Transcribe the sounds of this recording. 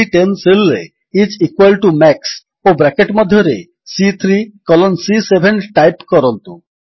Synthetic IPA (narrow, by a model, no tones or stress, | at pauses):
iʈenselːḛ | it͡ʃikwalʈumɛks | obɾɛkeʈmɔd̪ʱjɔɾḛ | sit̪ʰɾikɔlɔnsisebʱenʈajpkɔɾɔnt̪u